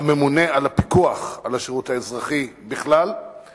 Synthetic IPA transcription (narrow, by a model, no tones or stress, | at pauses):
ame̞mune̞alapikuaχalaʃeʁuthaezʁaχibiχlal